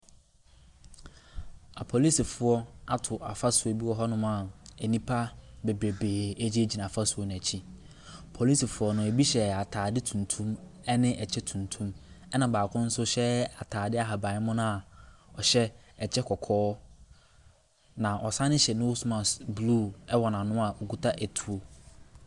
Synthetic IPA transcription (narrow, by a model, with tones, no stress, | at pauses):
a̰˨pʰɔ˨li˦si˨fʊ˨ɔ˦a˨tʰʊ˨ʔa˨fa˦sʊ˨ɔ˦bi˦wɔ˨ɦɔ˦nʊ̃˦m˦a˨ɛ˨nĩ˦pʰa˦be˨bɾe˨beː˨æ˦d͡ʑi˦æ˦d͡ʑi˨nã˨a˨fa˦su˨ɔ˨nʊ̃˨æ˨t͡ɕʰi˦ | pʰɔ˨li˦si˨fʊ˨˦ɔ˦nʊ̃˨æ˨bi˦ɕɛ˨a˨tʰaː˨dɪ˦tʰũ˨ntʰũ˦m | ɛ˦nɪ̃˦ʔɛ˨t͡ɕʰɛ˦tʰũ˨ntʰũ˦mɛ˦nã˨baː˨kʰʊ̃˦n̩˦sʊ˦ɕɛ˦a˨tʰaː˨dɪ˦a˨ɦa˨bã˨ɪ˦mʊ̃˦nʊ̃˦a˨ɔ˨ɕɛ˦ | ɛ˨t͡ɕʰɛ˦kʰɔ˨kʰɔː˦ | nã˨ʔɔ˨sã˦nɪ̃˦ɕɛ˨nʊ̃˦wsmã˨sblu˦˨ɛ˦wɔ˨nã˨nʊ̃˦a˨o˨ɡu˦tʰa˦ʔæ˨tʰu˨o˦